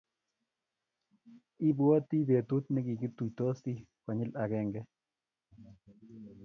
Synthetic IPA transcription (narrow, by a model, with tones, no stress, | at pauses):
i˦bwo˦ti˦be˨tu˦t̪̚nɪ˦ki˨ɡi˦t̪u˨jto˦si˦kwa˨ɲɪ˦la˨kɛ˦ŋɡɛ˦